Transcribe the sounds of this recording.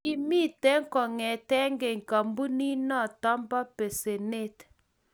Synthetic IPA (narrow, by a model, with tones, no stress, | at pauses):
i˦mi˦˨tɛ˦ŋ˦kɔ˨ŋɛ˨tɛ˦ŋɡɛ˨ŋ˨ka˨mbu˦ni˦na˦˨ta˦mba˦pe˨se˨ne˦˨t